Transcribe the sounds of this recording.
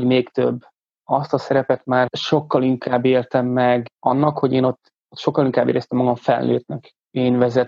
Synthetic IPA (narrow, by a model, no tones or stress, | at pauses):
ɟmeːkt̪ø̰bː | ɒst̪ɒsɛɾɛpɛt̪maːrʃo̞kːɒliŋkaːbːeːrt̪ɛmːɛɡɒ̰nːɒkho̞ɟeːno̞t̪ː | ot̪ʃo̞kːɒliŋkaːbḛːɾɛst̪ɛmːɒɡɒɱfɛ̰lːøːt̪nɛk | eːnvɛzɛt̪